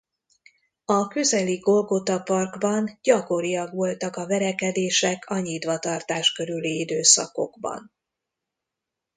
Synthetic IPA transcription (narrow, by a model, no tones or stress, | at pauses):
ɒkø̞zɛliɡo̞lɡo̞t̪ɒpɒrɡbɒnɟɒko̞ɾijɒɡʋo̞lt̪ɒkɒvɛɾɛkɛd̪eːʃɛkʰɒɲit̪ʋɒt̪ɒrt̪aːʃkø̞ɾyliid̪øːsɒ̰ko̞̰ɡbɒ̰n